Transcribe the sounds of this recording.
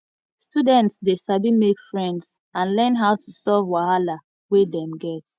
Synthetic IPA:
studɛ̃ntsdesabimekfɹɛ̃ndz | ãnlɜ̃nɦaʊtʰusɛvwahala | wedɛ̃mɡɛt

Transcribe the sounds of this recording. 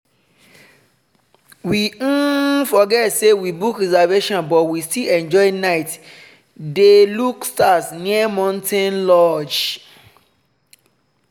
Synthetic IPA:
wĩfɔɡɛtsewibukɾizaveʃɔ̃nbɔtwistiɛ̃nd͡ʒɔɪnaɪt | delukstatnĩɛmãntʰɛ̃nlɔd͡ʒ

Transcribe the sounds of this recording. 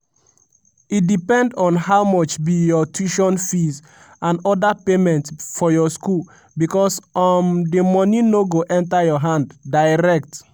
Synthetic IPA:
idipɛ̃ndɔ̃nhaʊmɔt͡ʃbijɔtʰiʃɔ̃nfiz | ãnɔdapemɛ̃ntfɔjɔskul | bikɔsɔndimɔnĩnoɡoʔɛ̃ntajɔɦãnddaɪɹɛk̚t

